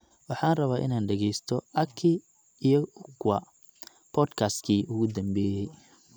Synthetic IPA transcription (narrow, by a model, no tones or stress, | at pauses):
wɑħɑːnrɐβaːʔɪ̰naːnɖɛɣɛjst̪ʰɔʔɐkʰi | ijɐʊkʰʊwɐ̰ | pʰɔːd̪kʰaːst̪kʰiːʔʊɣʊd̪ɐmbɛːjɛj